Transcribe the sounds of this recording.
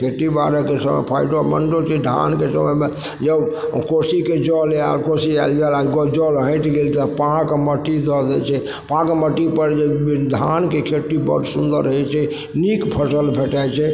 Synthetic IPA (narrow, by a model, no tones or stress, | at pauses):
kʰeʈibaɾəkesəmə̰jpʰə̰jɖoməɳɖot͡ʃʰɛd̪ʱa̰nkesəməjmed͡ʒəbkosiked͡ʒɔlja̰lkosialjalaɡɔd͡ʒɔlɦə̃t̪ɡelt̪əpãkməʈːid̪ɔd̪ɛ̰t͡ʃʰɛ | pãkməʈːipəɾd͡ʒeɖʱankekʰeʈːibə̰ɖsũnd̪ə̰ɾɦɛt͡ʃʰɛ | nikpʰəsəlbʱeʈajt͡ʃʰɛ